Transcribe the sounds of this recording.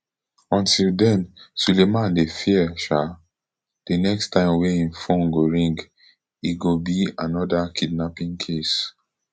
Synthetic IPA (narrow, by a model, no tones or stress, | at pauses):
ɔ̃ntildɛ̃nsulemãndefiɛʃa | d̥enɛkstʰãɪ̃mweĩnfɔ̃ŋɡoɹĩŋɡ | iɡobianɔdakʰidnapĩŋkʰes